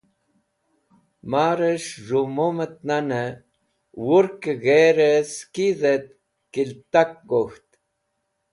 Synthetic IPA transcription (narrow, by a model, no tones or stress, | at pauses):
maːɾəʂʐumomət̪̚nanə | wuɾkɣeɾeskizet̪̚ | kilt̪akːoxt̪